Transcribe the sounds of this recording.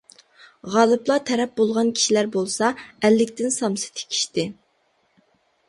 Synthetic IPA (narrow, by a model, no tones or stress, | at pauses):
ʁɑːlˠɨplˠɑt̪ʰɛɾɛp̚bolˠʁɑnkʲʰi̥ʃilæɾbolˠsɑɛlːɪkʲt̪ɪnsɑmsɨ̥t̪ʰe̥kʲʰi̥ʃt̪ɪ